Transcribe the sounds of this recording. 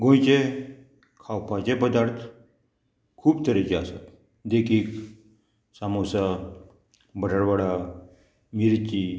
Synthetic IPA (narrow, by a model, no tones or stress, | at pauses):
ɡõjt͡ɕe | kʰawpat͡ɕepəd̪aɾt̪ʰ | kʰuːpt̪ʰəɾɛt͡ɕeasa̰t̪ | d̪ekʰiːk | samosa | bəʈəɽʋaɽa | miɾt͡ɕi